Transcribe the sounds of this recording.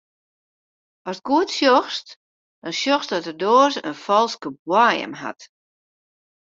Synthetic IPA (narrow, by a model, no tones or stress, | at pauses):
ʔɔstɡ̥uətsjɔxst | d̥ɔnsjɔxsdɔtərdoːzənfɔlˠskəbwajə̰mha̰t